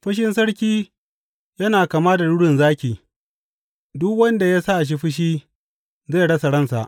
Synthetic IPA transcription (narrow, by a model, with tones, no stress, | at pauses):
ɸɐ˦ʃ̬ɪ˦nsɐ˦ɽkʲiː˦ | jɐ˦naː˨kaː˨maː˦da˨ɽʊ˦ɽɪ˨nzaː˦kʲiː˨ | dʊ˦kwɐ˦nda˨ja˦sa˦ʔʃ̬i˦ɸɪ˦ʃ̬iː˦ | ze˦˨ɽɐ˦sa˨ɽɐ˦nsa̰˨ʔ